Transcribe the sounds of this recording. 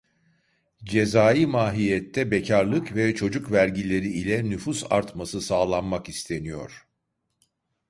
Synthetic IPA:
d͡ʒe̞zaːjimaːɦijɛt̪ʰːɛbecʰaɾlˠɯkvɛt͡ʃʰo̞d͡ʒukvæɾɟilʲe̞ɾiːlʲɛnyfusa̰ɾt̪masɯsaːlˠanmakist̪ʰe̞nijo̞̰ɾ̥

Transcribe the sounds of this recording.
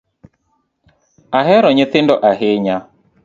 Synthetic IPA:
aɦɛɾɔɲɪθɪndɔʔaɦeɲa

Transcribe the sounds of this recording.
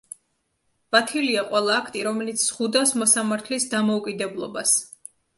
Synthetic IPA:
b̥at̪ʰiliaqʼwɛlˠaːkʰt̪ʼiɾɔmɛlit̪sʰz̥χud̪asmɔsamaɾt̪ʰlisd̪amɔukʼid̪ɛblˠɔ̰bas

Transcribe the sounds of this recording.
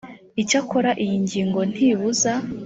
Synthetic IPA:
icakoɾaʔijiɲɟiːŋɡo̞n̥hiːβuza

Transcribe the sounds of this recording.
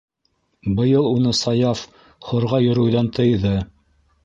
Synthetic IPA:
bɤ̆jɤlˠunɤsɑjɑf | χŏɾʁɑjɵ̆ɾɵ̆wjðɑnt̪ɤ̆jðɤ

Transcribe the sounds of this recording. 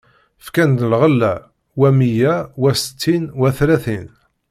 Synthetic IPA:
fkænd̪əlʁəlːæ̰ | wæmijæwæsə̥t̪ːinwæθlæθin

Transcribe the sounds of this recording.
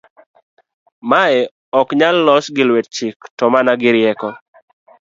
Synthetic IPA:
maɛ | ɔkɲalːɔsɡɪlwet̚t͡ʃɪktɔmanaɡɪɾjɛkɔ

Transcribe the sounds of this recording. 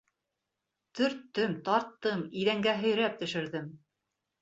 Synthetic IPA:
t̪ɵ̆ɾt̪ːɵmt̪ɑɾt̪ːɤmiðæŋɡæɦɵ̆jɾæp̚t̪ɵ̆ʃɘ̆ɾðɘm

